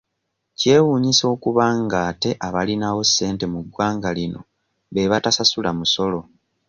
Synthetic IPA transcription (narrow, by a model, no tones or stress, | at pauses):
ce̞ːwuːɲiso̞ːkuβaŋɡaːte̞ʔaβalinawo̞sːe̞ːnte̞muɡwaːŋɡalino̞̰ | βe̞βatasasulamuso̞lo̞